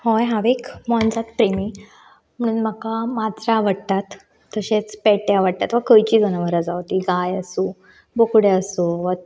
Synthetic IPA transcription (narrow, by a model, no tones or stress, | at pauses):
hɔjɦaʋekmɔnd͡zat̪pɾemi | m̤əɽ̃uːnməkamad͡zɾaʋəɽt̪at̪ː | əɕet͡spɛʈjaʋəɽ̚t̪at̪ʋəkəjt͡ɕiːd͡zəñəʋəɾad͡zawt̪iːɡajəsuː | bokɽeəsuʋə